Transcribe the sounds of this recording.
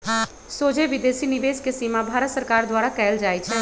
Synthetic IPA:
sod͡ʒeʋid̪esiniʋeskesimabʱaɾət̪səɾkaɾd̪waɾakɛːld͡ʒajt͡ʃʰɛ

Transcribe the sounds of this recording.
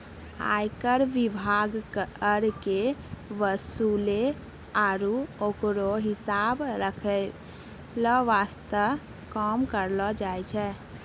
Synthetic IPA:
a̰jkəɾʋibʱaɡkəɾkeʋəsule | aɾuokɾoɦisabɾəkʰɛ | lɔʋast̪ə | kɔmkəɾlɔd͡ʒajt͡ʃʰɛ

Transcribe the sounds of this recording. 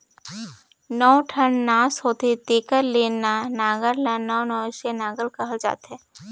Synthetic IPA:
nɔːʈʰəɳnaːsɦoːt̪et̪eːkəɾleːnanaːɡəɾlanɔːnɔːʃenaːɡəlkɐɦəld͡ʒa̰ːt̪ɛ̃ː

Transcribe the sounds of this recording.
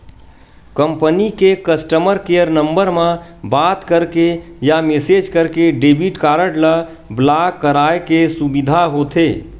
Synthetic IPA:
kəmpənikekəsʈəməɾkejəɾnəmbəɾmãbaːt̪kəɾkejamesed͡ʒkəɾkeɖebiʈkaːɾəʈlə | blakːəɾaːekesubid̪ʱaɦoːt̪ʰeː

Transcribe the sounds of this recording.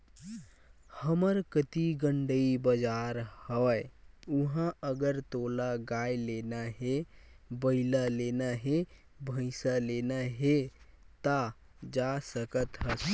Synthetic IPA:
həməɾkət̪iɡəɳɖəibəd͡ʒaɾhəeuɦãəɡəɾt̪olaɡajlenaɦe | bəɪlalenaɦe | bʱə̃ɪsalenaɦe | t̪a | d͡ʒasəkət̪ɦəs

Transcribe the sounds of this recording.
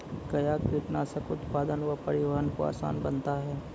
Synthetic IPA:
kɐjaːkiʈnaːsəkʊt̪paːd̪ənʋapɐɾɪʋəɦənkoa̰ːsa̰ːnbɐnt̪aɦɛː

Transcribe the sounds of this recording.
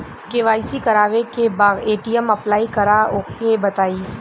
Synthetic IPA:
keʋaːɪsikɐɾaːʋekebaːɡeːʈijəmɐplaːikɐɾaokebɐt̪aːiː

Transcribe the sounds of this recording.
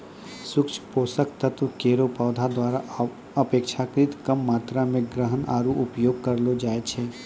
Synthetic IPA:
sʊkt͡ʃʰpoːsəkt̪ɐt̪ʋkeːɾopaːd̪ʱad̪waːɾa | əpeːkʃʰakɾɪt̪kɐmːaːt̪ɾamẽɡɾəɦəna̰ːɾuʔʊpjoːɡ̚kɐɾlod͡ʒaːet͡ʃʰeː

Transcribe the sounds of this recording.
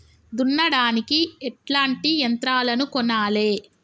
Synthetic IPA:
d̪unːɐɽaːnikiɛʈlaːɳʈijɐnt̪ɾaːlɐnukɔnːaːle̞ː

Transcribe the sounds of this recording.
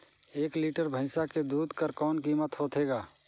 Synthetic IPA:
eːkliːʈəɾbʱəɪsaked̪uːd̪ʱkəɾkɔːnkiːmət̪ɦoːt̪ʰeːɡaː

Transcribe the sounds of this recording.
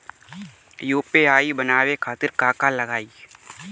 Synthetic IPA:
juːpeaːibənaːwekʰaːt̪ɪɾkaːkaləɡaːi

